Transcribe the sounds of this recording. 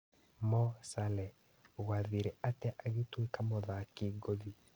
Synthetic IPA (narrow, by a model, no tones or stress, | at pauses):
mɔsalɛ | ɣwaðiɾɛatɛʔaɣetwikamɔðakiɡoði